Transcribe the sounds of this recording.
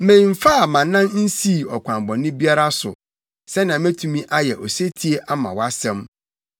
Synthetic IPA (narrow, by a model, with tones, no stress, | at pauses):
mẽ˨m̩˨fa˦a˨mã˨nːã˦nn̩˦si˦˨ɔ˨kʷʰã˨mbɔ̃˨nɪ̃˦bi˦a˦ɾa˦sʊ̰˨ | sɛ˦nã˨mæ̃˦tʰũ˨mĩ˦ʔa˦jɛ˨ʔɔ˨se˦tʰi˨˦e˦ʔa˦mã̰˨wa˦sɛ̃˦m